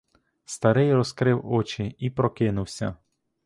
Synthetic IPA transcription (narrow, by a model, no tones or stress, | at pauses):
st̪ɐɾɪjrɔskɾɪwɔt͡ʃɪipɾɔkɪnʊwsʲɐ̰